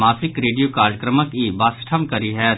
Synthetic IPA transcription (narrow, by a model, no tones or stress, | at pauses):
maːsɪkɾeːɖijokaːɾəkɾəməkibaːsʈʰəmkɐɾiɦɛː